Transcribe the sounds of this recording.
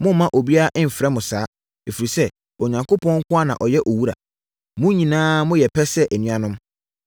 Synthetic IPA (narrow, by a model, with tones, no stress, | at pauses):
mʊ̃˦m̩˦mã˦ʔo˨bi˦a˦ɾa˦ʔɪ̃˦m̩˨fɛ˦mʊ̃˨saː˨˦ | e˨fi˨ɾi˨sɛ˦ | o˨ɲã˨ŋko˦pʰɔ̃˦ŋ̩˦kʊ̃˦a˦nã˨ʔɔ˨jɛ˦ʔo˨wu˦ɾa̰˨ | mʊ̃˦ɲĩ˨nãː˦mʊ̃˦jɛ˨pʰɛ˦sɛ˦ʔɛ˨nĩ˦ã˦nʊ̃˦m